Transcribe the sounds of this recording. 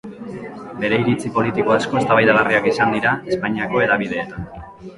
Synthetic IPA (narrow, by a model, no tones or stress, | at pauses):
be̞ɾe̞iɾit͡sipo̞lit̪iko̞asko̞est̪aβajt̪aɣariakisand̪iɾae̞spaɲiako̞e̞ðaβið̞e̞ːt̪an